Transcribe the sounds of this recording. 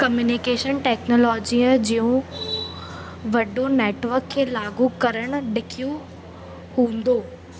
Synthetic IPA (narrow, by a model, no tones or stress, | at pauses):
kɐmjuːnɪkeːʃənʈeːknoːlɔːd͡ʑiəd͡ʑijũ | ʋɐɖoneːʈʋəɾkʰːeːlaːɡukɐɾəɽ̃ʊ̆ɖɪkʰiju | hũːn̆d̪oː